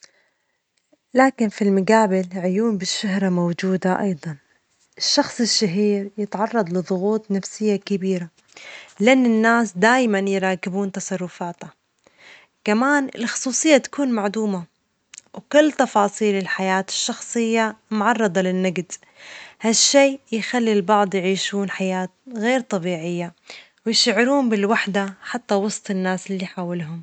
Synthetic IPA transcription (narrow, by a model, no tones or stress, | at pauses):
laːkɪnfilmʊɡaːbɪlʕʊjuːmbɪʃːaɦɾˤamowd͡ʒuːd̪aʔɑ̰jd̪ˤɑn | ʔɪʃːɑxsˤɪʃːaɦiːɾjɪt̪ʕɑrˤːɑd̪ˤlɪðˤʊɣuːt̪ˤnafsɪjːakɪbiːɾa | lɪʔanːɪnːaːsd̪aːjmanjɪɾˤɑːkɪbuːnt̪ɑsˤɑrˤːʊfaːt̪ha | kamaːnɪ̰lxʊ̥sˤuːsˤɨjːat̪ḁkuːnmaʕd̪uːma | wkʊlːt̪ɑfɑːsˤiːlɪlħajaːt̪ɪ̥ʃːɑxsˤɨjːamʊʕɑrˤːɨd̪ˤɑlɪnːaɡd̪ | haʃːeːjxalːilbɑʕd̪ˤjʕiːʃuːnħajaːt̪̚ɣeːɾt̪ˤɑbiːʕɪjːa | wɪjɪʃaʕɾuːmbɪlwaħd̪aħat̪ːawɑsˤt̪ˤɪnːaːsɪlːiħaːwɪlɦʊm